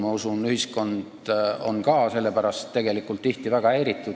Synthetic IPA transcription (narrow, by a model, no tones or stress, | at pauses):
mɑusunyhisko̞nd̪̥o̞̰nkɑːse̞lːe̞pæɾɑst̪ːe̞ɡ̥e̞likːˑult̪ːˑiht̪ivæɡ̥ɑeɾit̪ːˑu